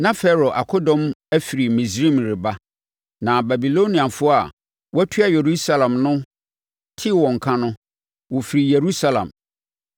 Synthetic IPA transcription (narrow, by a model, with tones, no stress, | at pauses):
nã˦fɛ˦ɾɔ˨ʔa˨kʰɔ˦dɔ̃˦mæ˦fi˨ɾi˨mĩ˨sɾĩ˦˨mɾɪ˨ba˦ | nã˨ba˨bi˨lo˦nĩ˨ã˨fʊ˦a˨ | wɔ˦æ˦tʰu˦a˨je˨ɾu˦sa˦lã˨mnʊ̃˦ | tʰɪ˦wɔ̃˨ŋ̩˨kʰã˦nʊ̃˦ | wɔ˨fi˨ɾi˨je˨ɾu˦sa˦lã̰˨m